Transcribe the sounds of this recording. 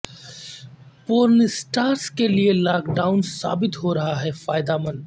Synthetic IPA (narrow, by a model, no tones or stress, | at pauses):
poːɾnsʈaːɾskelielaːkɖaːʊnsa̰ːbɪt̪ɦoɾɐɦaɦɛfaːjd̪amɐ̃n